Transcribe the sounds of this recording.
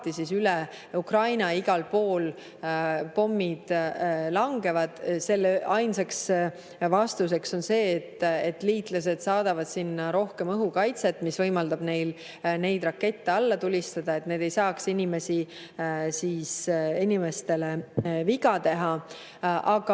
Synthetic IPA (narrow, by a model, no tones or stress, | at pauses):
t̪ːisisylɛ | ukrɑjnɑiɡ̥ɑlpo̞ːl | po̞mːid̪̥lɑŋɡe̞vɑd̪̥se̞lːeʔɑjnseks | vɑst̪us̬e̞kso̞nse̞ːt̪ːet̪ːˑliːt̪ˑlɑs̬e̞d̪̥sɑːd̪̥ɑvɑd̪̥sinːɑɾo̞hke̞mɤɦukɑjt̪se̞t̪ːmisvɤjmɑld̪ɑb̥ne̞jl | ne̞jd̪rɑkːe̞t̪ːeɑlːɑt̪ulʲist̪ɑd̪̥ɑe̞t̪ne̞ːd̪̥e̞jsɑːksinʲime̞si | siːsinime̞st̪e̞le̞viɡɑt̪e̞ɦɑ | ʔɑɡ̥ɑ